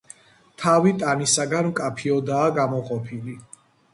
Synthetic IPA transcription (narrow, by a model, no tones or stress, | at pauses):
t̪ʰavit̪ʼanisaɡanmkʼapʰiɔd̪aːɡamɔqʼɔpʰili